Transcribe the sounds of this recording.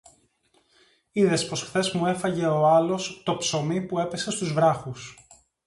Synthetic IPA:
iðe̞spo̞sxθe̞zmue̞fɐʝe̞o̞ɐlo̞st̪o̞pso̞mipue̞pe̞sest̪uzvɾɐxus

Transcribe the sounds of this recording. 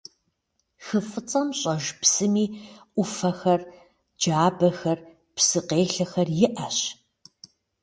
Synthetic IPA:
xɨfɨt͡sʼɐmɕʼɐʒpsɨmiːʔʷʊfɐxɐr | d͡ʒaːbɐxɐr | psɨqeːɬɐxɐrjɪʔɐɕ

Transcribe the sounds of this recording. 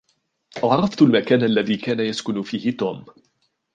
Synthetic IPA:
ʔɑʕɾˤɑft̪ʊlmakaːnʔalːaðiːkaːnajaskʊnfiːhɪt̪oːm

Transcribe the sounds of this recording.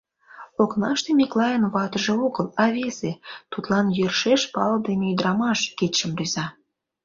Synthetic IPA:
oknɑʃt̪emʲiklɑjənβɑt̪ə̆ʒĕoɣə̆lɑβʲezet̪ut̪lɑnjørʃeʃpɑld̪emeyd̪ɾɑmɑʃket̪ʲʃə̆mryzɑ

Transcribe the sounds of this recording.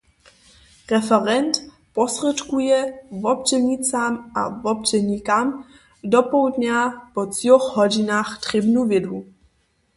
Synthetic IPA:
rɛfɛɾɛnt̪ | pɔsrɛtkujɛvɔp̚t͡ʃɛɲit͡samʔa̰vɔp̚t͡ʃɛɲikam | dɔpowdɲapɔt͡sjɔxɦɔɟinaːxt̪r̥ɪbnuvɪdu

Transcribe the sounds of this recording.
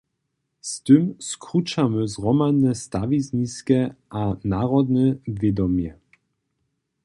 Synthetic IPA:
st̪ɘmskʁut͡ʃaməzʁɔmanɛst̪avizniskɛʔanaʁɔd̪nɛvʲjed̪ɔmjɛ

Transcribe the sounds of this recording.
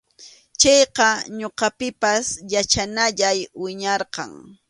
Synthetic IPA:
t͡ʃɑjqɑɲoqɑpɪpasjat͡ʃanaʎajwɪɲɑɾqɑ̰ŋ

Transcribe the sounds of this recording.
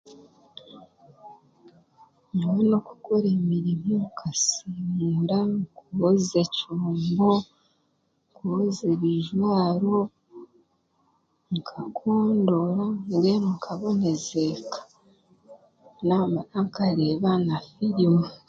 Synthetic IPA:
ɲumeno̞ku̥koɾemiɾimoŋkʰasimuɾaŋkuoze̞coːmbo | ŋkuozeβiʒwaːɾo | ŋkʰakʰoːndoɾaŋɡemukʰaβonezekḁ | namaaŋkaɾeːβanafiɾime

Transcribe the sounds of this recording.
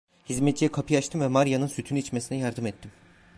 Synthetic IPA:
hizmɛt̪̚d͡ʒijɛkʰapʰɯjaʃt̪ʰɯmvɛmaɾjanɯnsyt̪ʰynyiit͡ʃmesinɛjaɾd̪ɯmɛt̪ʰːim

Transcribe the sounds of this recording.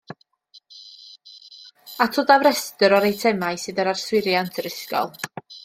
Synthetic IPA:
atʰoːdavrɛstəɾɔɾejtʰɛmajsɨðəɾarswɪɾjantʰɾɪskɔ̰lˠ

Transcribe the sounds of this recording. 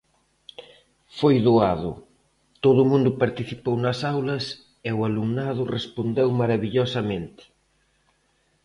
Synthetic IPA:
fojðuaðʊ̰ | t̪oðʊmũnd̪ʊpaɾt̪iθipownɐsawlɐs | eʊaluŋnaðʊrespond̪ewmaɾɐβiʎosɐmẽnt̪ɪ̥

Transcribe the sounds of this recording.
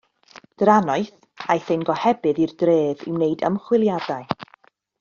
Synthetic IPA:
d̥ɾanɔɨθ | ajθejnɡɔhɛbɨðirdreːvɪ̰wneɨdə̰mχwɪlˠjadaɨ

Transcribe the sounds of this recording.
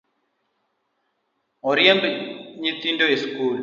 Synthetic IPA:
ɔɾjɛmbɲit̪indoeskul

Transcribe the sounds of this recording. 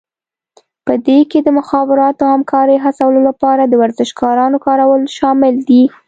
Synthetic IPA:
pəd̪eked̪əmʊxɑbɪɾɑt̪oahamkɑɾəjɦasawəlolapɑɾad̪əwaɾzɪʃkɑɾɑnokɑɾawəlʃɑmɪld̪i

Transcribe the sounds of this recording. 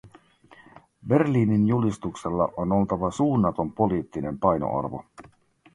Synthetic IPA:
be̞rliːninjulist̪ukse̞lːɑ̰ʔono̞lt̪ɑʋɑsuːnːɑt̪o̞mpo̞liːt̪ːine̞mpɑjno̰ʔɑ̰rʋo̰

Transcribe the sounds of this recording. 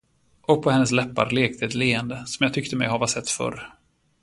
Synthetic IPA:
ʔɔk̚pʰɔhɛnːəs̬lɛpːa̰ɾleːk̚t̪ʰəɛt̪leːənd̪əsɔmjaːt̪ʰʏkt̪əmɛ̰jhaɾvasɛt̪ːfœ̰ɾ

